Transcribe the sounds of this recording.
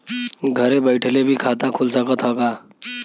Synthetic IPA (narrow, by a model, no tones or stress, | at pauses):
ɡʱəɾebəjʈʰlebʱiːkʰat̪akʰulsəkət̪ɦɔɡa